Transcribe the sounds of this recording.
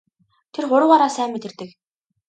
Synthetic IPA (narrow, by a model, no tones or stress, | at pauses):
t̪ʰerχʊɾə̆waɾaːsæːmːet̪ɘ̆rt̪ɘ̆k